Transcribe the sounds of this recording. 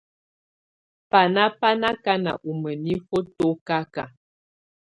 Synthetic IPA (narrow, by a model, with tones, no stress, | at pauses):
pa˨na˦pa˦na˦ka˦na̰˨ʔu˨mə˨ni˦fo˦to˦ka˦ka̰˨